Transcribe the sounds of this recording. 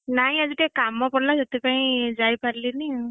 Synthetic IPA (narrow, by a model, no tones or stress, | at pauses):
naj̃aziʈekamːɔpɔɽlazɔt̪ipaĩzajpaɾlini